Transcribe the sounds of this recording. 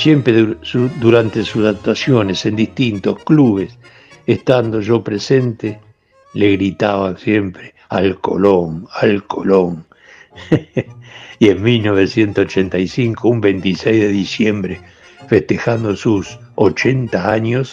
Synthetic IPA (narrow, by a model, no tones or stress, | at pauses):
sje̞mpɾeðusud̪uɾant̪esusðak̚t̪wasjo̞ne̞se̞nd̪ist̪int̪o̞skluβes | est̪and̪o̞ʒo̞pɾese̞nt̪e | leɣɾit̪aβasje̞mpɾe | alko̞̰loŋalkʰoloŋ | ieŋmilno̞β̞esje̞nt̪osot͡ʃent̪ajsiŋkoumbent̪isejzðeðisjembɾe | feht̪exand̪osus | ot͡ʃe̞nt̪aaɲos